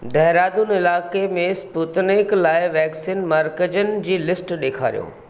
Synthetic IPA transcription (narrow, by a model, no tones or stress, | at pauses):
d̪ʱɛɦɾaːd̪unɪlaːkemẽsput̪nɪklaːɪʋɛːksiːnmɐɾkəd͡ʑənɪ̆d͡ʑiːlɪsʈɗeːkʰa̰ːɾijo̰ː